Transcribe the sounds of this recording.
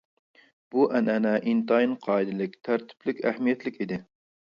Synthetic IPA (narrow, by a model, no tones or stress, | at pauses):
b̥uʔænænɛʔint̪ɑjinqʰɑːid̪ɪlɪk̚ʲt̪ʰæɾt̪ʰɪ̥plɪkʲæhmijɛt̪lɪkʲɪd̪ɪ